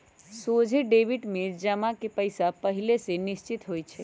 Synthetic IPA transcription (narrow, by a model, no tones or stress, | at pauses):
sod͡ʒʱiɖeʋiʈmed͡ʒəmakepəjsapəɦilesenist͡ʃit̪ɦojt͡ʃʰɛ